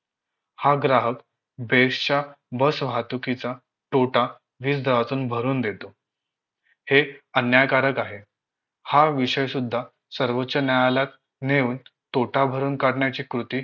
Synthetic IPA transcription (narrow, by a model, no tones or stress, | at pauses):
haɡɾaɦək | bʱeʂt͡ɕa | bəsʋ̤ʱat̪ukit͡sa | ʈoʈa | ʋiːsd̪ʱəʋat͡s̪uːnbʱəɾuːnd̪et̪o | heənjakaɾəkaɦe | haʋiɕəjsud̪ʱːa | səɾʋətːɕənjajalak̪ | neuːnt̪oʈʰabʱəɾuːnkaɽɳjat͡ɕiːkɾut̪iː